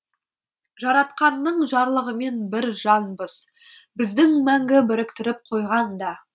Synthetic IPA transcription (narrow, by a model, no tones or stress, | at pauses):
ʒɑɾɑt̪qɑnːəɴʒɑɾlˠəʁəme̞nbɪɾʒɑnbəz̥ | bɪzd̪ɪŋmæŋɡʲɪbɪɾɪkt̪ɪɾɪp̚qʰo̞jʁɑnd̪ɑ